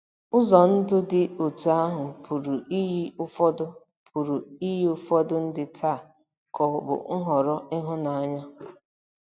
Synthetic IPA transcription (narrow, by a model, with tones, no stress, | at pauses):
ʊ˦zɔ˨n̩˦dʊ˦dɪ˨o˨tu˨a˦ɦʊ˨pʰu˨ɾu˨i˦ʊ˦fɔ˦dʊ˦ | pʰu˨ɾu˨i˦ji˦ʊ˦fɔ˦dʊ˦n̩˦dɪ˨tʰa˦˨ | kɔ˨bʊ̰˨ŋ̩˦ɦɔ˨ɾɔ˦ɪ˦ɦʊ˦na˨a˦˨ɲa˦